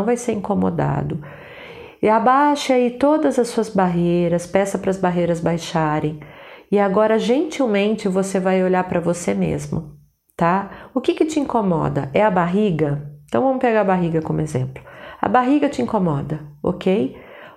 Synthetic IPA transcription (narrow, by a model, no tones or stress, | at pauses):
w̃vajseɾĩŋkomo̰d̪a̰d̪ʊ | ɪabajʃait̪od̪ɐzɐsːuɐzbaɦejɾɐspɛsɐpɾɐzbaɦejɾɐzbajʃaɾẽj̃ɪaɡɔɾɐʒẽnt͡ʃiwmẽnt͡ʃɪvosevajoʎaɾpɾɐvosemḛzmʊ̰ | t̪aʊkɪkɪt͡ʃɪĩŋkomɔ̰d̪ɐ̰ʔɛɐbaɦiɡɐẽt̪ɐ̃w̃vɐ̃mʊpeɡaɾɐbaɦiɡɐkõmʊezḛ̃mplʊɐ̰baɦiɡɐt͡ʃɪĩŋkomɔd̪ɐo̰kʰej